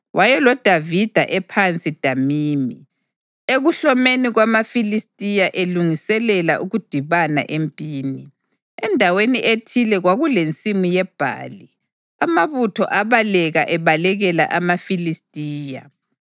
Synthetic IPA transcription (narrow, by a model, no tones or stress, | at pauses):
wʔajɛlɔd̥ʱavid̥ʱaʔɛpʰant͡sʼid̥ʱamiːmi | eɣuɬɔmeniɣwamafilistʼijaʔeluŋisɛlɛla̰ʔuɣud̥ʱiβana̰ʔempʼiːni | ɛndʱaweniʔetʰilɛɣwaɣulent͡sʼimujɛb̥ʱa̰ːli | amaβutʰɔ̰ʔaβalɛɣaʔɛβalɛɣɛla̰ʔamafilistʼiːja̰